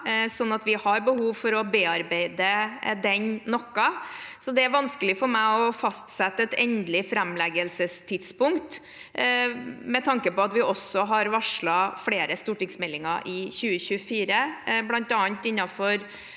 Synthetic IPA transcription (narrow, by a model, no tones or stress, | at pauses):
sɔnːɑt̪ʋɪhɑɾbəhuːʋfɔɾɔbeːɑɾbeɪd̪əd̪ɛnnɔkːɑsɔd̪ɛæɾʋɑnskəlɪfɔɾmæɪɔfɑst̪sɛt̪ːəɛt̪ɛnd̪lɪfɾɛmlɛɡəlsəst̪ʰɪt̪spʊŋkt̪ | mɛt̪ʰɑŋkəpɔɑt̪ʋɪʔɔsːɔɦɑɾʋɑʂɭɑfleːɾəst̪uːʈɪŋsmɛlːɪŋɑ̰ɾʔɪçʉːəçʉəfiːɾəblɑnt̪ɑːnt̪ɪnːɑfɔɾ